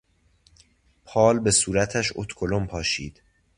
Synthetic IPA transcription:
pʰɒːlbe̞suːɾæt̪ʰæʃo̰t̪ʰkʰolompʰɒːʃiːd̪̥

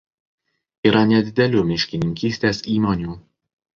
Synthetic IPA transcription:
iːɾɐnʲɛd̪ʲɪd̪ʲɛlʲuːmʲɪʃʲkʲɪnʲɪŋʲkʲiːsʲt̪ʲeːsiːmɔnʲuː

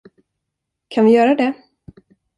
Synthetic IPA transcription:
kʰanvɪjœːɾad̪ɛ

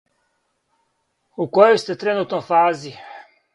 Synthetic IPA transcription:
ukojojst̪ɛt̪ɾenuːt̪nofaːzi

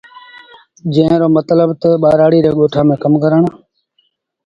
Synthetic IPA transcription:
d͡ʒə̃ːɪɾoːmət̪ləbt̪əɓaːɾaːɽiːɾeːɠoːʈʰaːmẽːkəmkəɾəɳː

